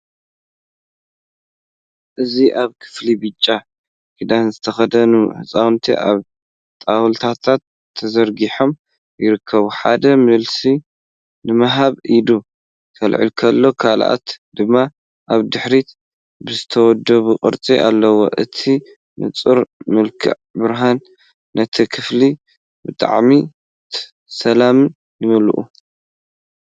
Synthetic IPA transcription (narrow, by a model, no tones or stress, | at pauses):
ʔɨziʔaβkʰɨ̥flibɨt͡ʃʼːa | kʰid̪azɨt̪ʰɐxɐd̪ɐnuħɨt͡sʼawnt̪ʰḭʔaβ | t̪ʼawɨlt̪ʰat̪ʰat̪ʰːɐzɐɾɡiħo̞m | jɪɾɨkʰːɐβuħa̰d̪ɐmɨlsi | nɨmɐɦaβʔid̪u | kʰɐlʕḭlkʰɐlːo̞kʰalʔa̰t̪d̪ɨmːa | ʔaβd̪ɨħɾit̪ | bɨzɨt̪ʰɐwɔd̪ɐβukʼɨ̰ɾt͡sʼiʔa̰lːɐwo̞̰ʔɨt̪ʰi | nɨ̰t͡sʼuɾmɨlkʰɨ̰ʕbɨɾɦanː | ɐt̪ʰikʰɨfli | bɨt̪ʼa̰ʕmi | t̪ | sɐlamɨn | jɨmɨlʔṵ